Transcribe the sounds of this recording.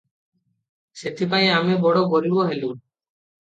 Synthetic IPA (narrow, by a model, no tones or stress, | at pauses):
set̪ʰip̬aj̃amebɔɽoɡoɾiboɦelu